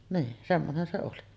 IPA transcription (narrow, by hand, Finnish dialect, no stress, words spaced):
niː semːonen se oli